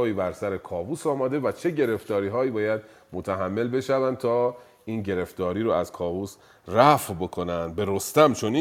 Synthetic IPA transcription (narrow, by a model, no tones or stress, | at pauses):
iːbæɾsæɾekʰɒːvuːsɒːmæd̪e̞væt͡ʃʰe̞ɟe̞ɾe̞ft̪ɒːɾiːɦɒːiːbɒːjæd̪̚ | mot̪ʰæɦæmːe̞lbe̞ʃævænd̪̚t̪ʰɒː | ʔiːnɟe̞ɾe̞ft̪ɒːɾiːɾoæzkʰɒːvuːs | ræfbo̞kʰo̞nænd̪̚be̞ɾost̪æmt͡ʃʰoni